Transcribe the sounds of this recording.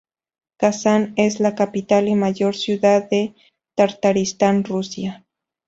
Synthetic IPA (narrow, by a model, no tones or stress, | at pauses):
kasaneslakapit̪alimajoɾsjuðaðe | t̪aɾt̪aɾist̪anrusja